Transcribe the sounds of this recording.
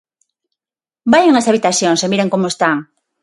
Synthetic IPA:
bajeŋasaβit̪aθjoŋsemiɾeŋkomʊest̪aŋ

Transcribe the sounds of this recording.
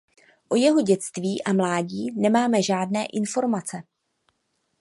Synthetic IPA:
ʔojɛɦo̞ɟɛt͡st̪viːʔamlaːɟiːnɛmaːmɛʒaːdnɛːʔɪnfo̞ɾmat͡sɛ

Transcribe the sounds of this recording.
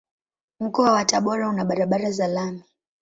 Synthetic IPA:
m̩kɔwawataɓɔɾaunaɓaɾaɓaɾazalami

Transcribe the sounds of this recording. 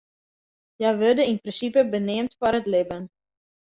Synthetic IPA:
jɛjʋødəinprɪnsipəbənɪəmtfɔrətlɪbən

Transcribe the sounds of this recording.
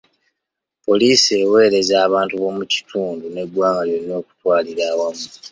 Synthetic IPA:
po̞liːsie̞we̞ːɾe̞zaːβaːntuβo̞ːmuci̥tʰuːndune̞dwaːŋɡaljo̞nːo̞ːku̥twaːliɾaːwamu

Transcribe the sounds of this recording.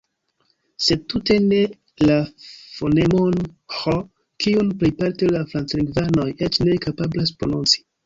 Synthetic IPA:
sed̚tute̞ne̞ | lafonemonxo | kiunplejpaɾtelafɾant͡sliŋɡvano̞jet͡ʃne̞kapablaspɾonunt͡si̥

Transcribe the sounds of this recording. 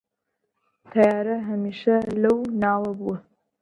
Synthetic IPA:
t̪ʰɐjaːɾɐɦɐmiːʃɐlɐwnaːwɐbuwɐ

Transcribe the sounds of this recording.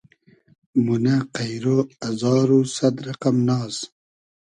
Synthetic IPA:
munaqajɾoɐzɑːɾusad̪ɾɐqamnɑːz

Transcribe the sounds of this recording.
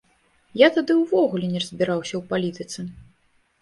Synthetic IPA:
jat̪ad̪ɨwvɔɣulʲɛnʲɛrɐzʲbʲiɾawsʲɐwpalʲit̪ɨt̪sɨ

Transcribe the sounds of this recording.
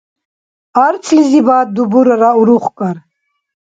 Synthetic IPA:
aɾt͡sʰlizibaːt̪̚d̪ubuɾaɾauɾuχkʼaɾ

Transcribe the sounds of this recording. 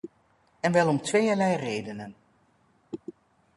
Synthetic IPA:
ɛnʋɛlˠɔmtʋejəlɛjrejdənən

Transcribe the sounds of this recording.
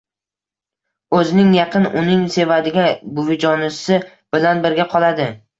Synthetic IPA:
ɵzɪnɪŋjɑqʰɨnʊnɪŋse̞vad̪ɪɡʲabʊvɪd͡ʒɒnɪsɪ | b̥ɪlanbɪɾɡʲaqʰɒlˠad̪ɪ

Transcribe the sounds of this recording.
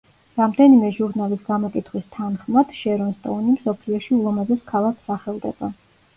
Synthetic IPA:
ɾamd̪ɛnimɛʒuɾnalisɡamɔkʼit̪ʰχwist̪ʰanχmad̪̥ʃɛɾɔnst̪ʼɔ̰nimsɔpʰliɔʃiulˠɔmazɛskʰalˠakʰsaχɛlˠd̪ɛba

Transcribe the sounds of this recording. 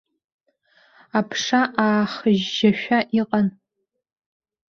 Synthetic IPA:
apʰʂaʔaːχəʒːaʃᶣʷaʔiqʼan

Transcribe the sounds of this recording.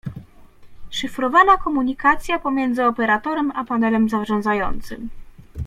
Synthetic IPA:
ʂɘfɾɔvanakɔmuɲikat̪sʲjapɔmʲjɛnd̪zɘɔpɛɾat̪ɔɾɛmapanɛlɛmzavʐɔ̃nd̪zajɔ̰nt̪sɘm

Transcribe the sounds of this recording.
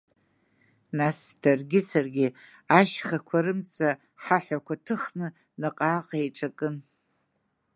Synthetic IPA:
nasd̥arɡʲɪsarɡʲɪ | aʃχakʷʰaɾɨmt͡sʼa | ħaħʷᶣakʷʰatʰɨχnɨ | nɨqʼaːqʼaeʈ͡ʂʼakʼɨn

